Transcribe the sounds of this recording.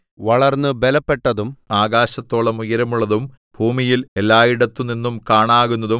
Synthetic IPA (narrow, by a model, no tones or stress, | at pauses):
ʋɐɭɐrnːɨbelɐpːe̞ʈːɐðumaːɡaːɕɐt̪ːo̞ːɭɐmujɐɾɐmuɭːɐðum | b̥ʱuːmijile̞lːaːjiɽɐt̪ːuninːumkaːɳaːɣunːɐðu